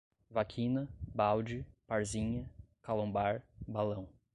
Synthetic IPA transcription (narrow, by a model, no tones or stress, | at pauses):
vakʰĩnɐbawd͡ʒɪpaɾzĩɲɐkalõbaɾbalɐ̃w̃